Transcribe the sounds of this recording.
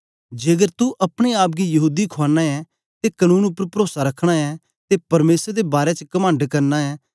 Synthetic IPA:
d͡ʒeːɡəɾt̪uʔɐpɽ̃eaːp̚ɡijɐɦuːd̪ikʰoaːnːaːɛ | t̪eːkənũːnʊpːəɾpəɾoːsaɾəkʰɽ̃aɛː | t̪epɐɾmeːsəɾd̪ebaːɾɛt͡ʃəkəmə̃ɳɖkəɾnaːɛː

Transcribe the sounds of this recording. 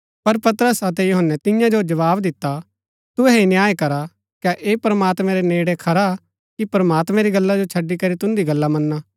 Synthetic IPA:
pɐɾpɐt̪əɾəsɐt̪̬ɛjuɦənːɛt̪ɪjãd͡ʒod͡ʒɐʋaːbd̪ɪt̪ːa | t̪ʊɛinjaːjkɐɾa | kaʔeːpɾɐmaːt̪mɛ̃ɾeneːɽekʰɐɾa | kipɾɐmaːt̪mɛ̃ɾiɡɐlːad͡ʒot͡ʃʰɐɖːikɐɾit̪ʊ̃nd̪iɡɐlːamɐnːaː

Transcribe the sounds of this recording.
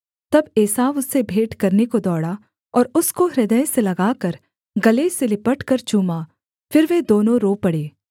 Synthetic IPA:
t̪ɐbeːsaːʋʊsːebʱeːʈkɐɾnekod̪ɔːɽa | ɔːɾʊskoɦɾɪd̪əjselɐɡaːkɐɾ | ɡɐleselɪpəʈkɐɾt͡ʃuːmaː | fɪɾʋed̪oːnõɾoːpɐɽeː

